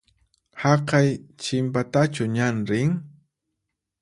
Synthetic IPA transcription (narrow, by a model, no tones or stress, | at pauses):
hɑqɑjt͡ʃɪmpat̪at͡ʃʊɲanɾɪŋ